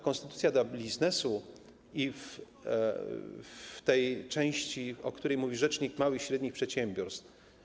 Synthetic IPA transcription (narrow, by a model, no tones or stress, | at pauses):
kɔ̃nst̪ɘt̪ut̪sʲjad̪ɔbbʲiznɛsu | if | t̪ɛjt͡ʂɛ̃w̃ɕt͡ɕiɔkt̪uɾɛjmuvʲiʐɛt͡ʂɲikmawɘxɕɾɛd̪ɲixpʂɛt̪ɕɛmʲbʲjɔɾst̪f